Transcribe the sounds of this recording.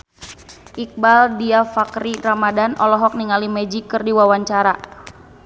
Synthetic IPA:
ʔik̚baldiafakɾiramadanɔlɔɦɔk̚niŋalimɛd͡ʒikɨrdiwawaɲt͡ʃaɾa

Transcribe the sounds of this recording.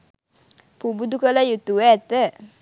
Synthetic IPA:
pubud̪ukəlajut̪uweɛt̪ə

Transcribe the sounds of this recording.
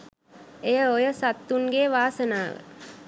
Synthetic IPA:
ejɐojɐsɐt̪ːunɡeːʋaːsɐnaːʋɐ̰

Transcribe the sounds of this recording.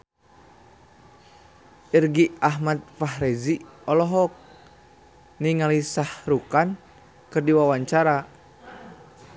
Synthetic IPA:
ʔirɡiaɦmat̪̚faɦɾɛziɔlɔɦɔk̚ | niŋalisahɾukan | kɨrdiwawaɲt͡ʃaɾa

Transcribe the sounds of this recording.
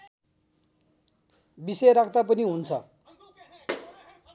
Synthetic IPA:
bisʌjɾakʰt̪apʌniɦunt͡sʰʌ

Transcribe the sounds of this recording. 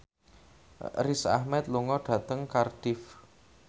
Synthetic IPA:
risa̰hmɛt̪̚luŋɔɖ̥ä̤t̪əŋkard̥ɪf

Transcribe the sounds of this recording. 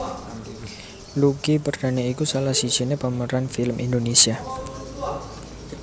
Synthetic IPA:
luɡipərd̪̥aneikusalahsid̥ʒ̥i̤nepəməɾanfiləmʔindonesia

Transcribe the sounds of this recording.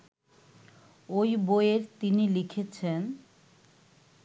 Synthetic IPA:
ojbojeɾt̪inilikʰet͡ɕʰen

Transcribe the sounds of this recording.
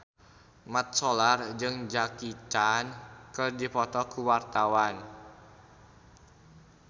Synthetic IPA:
mat̪̚sɔlard͡ʒɨŋd͡ʒakit̪ankɨrdipɔt̪ɔkuwart̪awan

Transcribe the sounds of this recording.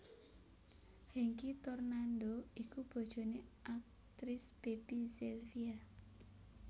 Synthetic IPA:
hiŋkit̪ɔrnand̪oikub̥ɔ̤d̥ʒ̥o̤neʔak̚ | t̪ɾɪsb̥episilfia

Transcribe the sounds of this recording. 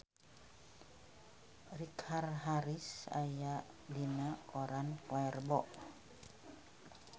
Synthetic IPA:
rikʰarɦaɾisa̰jaʔ | dinakoɾankɔɛrbɔʔ

